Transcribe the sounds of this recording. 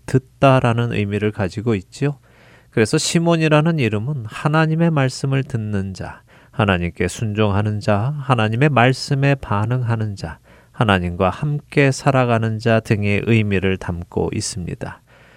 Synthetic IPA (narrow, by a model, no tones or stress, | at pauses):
tɯt̚t͈aɾanɯnʔɯ̰jmiɾɯɭkad͡ʑiɡoit̚t͡ɕ͈io | kɯɾe̞sʰʌɕʰimoɲiɾanɯniɾɯmɯnhanaɲime̞maɭs͈ɯmɯɭtɯnːɯnd͡ʑa̰ | hanaɲimk͈e̞sʰund͡ʑoŋɦanɯnd͡ʑahanaɲime̞maɭs͈ɯme̞panɯŋɦanɯnd͡ʑa | hanaɲimɡwahamk͈e̞sʰaɾaɡanɯnd͡ʑatɯŋeʔɯjmiɾɯɭtamk͈o̰ʔḭs͈ɯmɲḭd̥a